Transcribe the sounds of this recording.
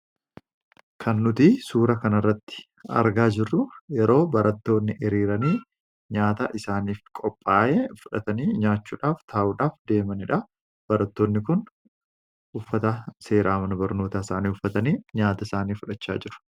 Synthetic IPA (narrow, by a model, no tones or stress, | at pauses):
kʰɐnːʊt̪iːsuːɾɐkɐnɐrːɐt̪ːɪ̥ | ɐ̰ɾɡaːd͡ʒɪrːʊjɛɾo̞ːbɐɾɐt̪ːo̞ːnːɪʔɪɾiːɾɐniː | ɲaːt̪ɐʔɪsaːniːfkʼɔpʼːaːʔefʊᶑɐt̪ɐniːɲaːt͡ʃːuːᶑaːft̪ʰaːʔuːᶑaːfd̪e̞ːmɐnɪᶑɐ | b̥ɐɾɐt̪ːoːnːɪkʊn | ʊfːɐt̪ɐse̞ːɾʔaːmɐnɐbɐɾno̞ːt̪aːɪsaːniːʊfːɐt̪ɐniːɲaːt̪ɐɪsaːniːfʊᶑɐt͡ʃːa̰ːd͡ʒɪɾʊ̥